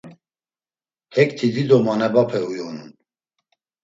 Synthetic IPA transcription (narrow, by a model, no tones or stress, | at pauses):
hɛkt̪ʰid̪id̪ɔmanɛbapʰɛujɔnṵn